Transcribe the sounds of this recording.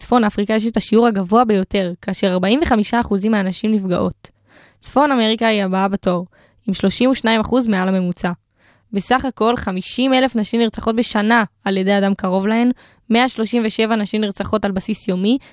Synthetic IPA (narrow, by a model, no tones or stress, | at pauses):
t͡sfo̞nafʁikajeʃ̬etaʃiuʁhaɡavoabe̞jo̞te̞ʁkaːʃe̞ʁaʁbaimveχamiʃaːχuzimaːnaʃimnifɡaʔo̞t | t͡sfo̞name̞ʁikaiabaabato̞ʁ | imʃlo̞ʃimuʃnaimaχuzmealhame̞mut͡sa | be̞saχako̞lχamiʃime̞le̞fnaʃimniʁt͡saχo̞t̚beʃanaːlje̞deadamkaʁo̞vlae̞n | me̞aʃlo̞ʃimveʃe̞vanaʃimniʁt͡saχo̞talbasisjo̞mi